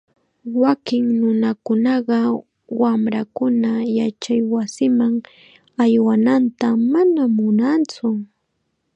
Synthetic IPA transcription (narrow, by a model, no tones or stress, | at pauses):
wakɪŋnʊnakʊnɑɢɑ | wamɾakʊnajat͡ʃajwasɪmaŋ | ajwanant̪amanamʊnant͡sʊ